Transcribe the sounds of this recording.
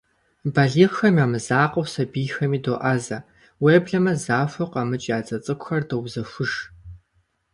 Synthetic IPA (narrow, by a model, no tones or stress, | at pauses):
bɐɮiːʁxɐmiaːmɨzaːqɐwsɐbiːxɐmiːdoːʔɐzɐ | weːbɮɐmɐzaːfʷɐqɐmɨt͡ʃʼjaːt͡sʼɐt͡sʼɨkʷʼʊxɐrdowzɐfʷʊʂ